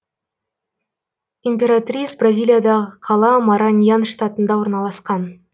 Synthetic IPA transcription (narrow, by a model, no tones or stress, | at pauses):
imʲpʲe̞ɾat̪rʲijsbrazʲijlʲˠijad̪ɑʁəqʰɑlˠɑmaɾanʲjanʂt̪at̪ənd̪ɑwo̞ɾnɑlˠɑsqɑn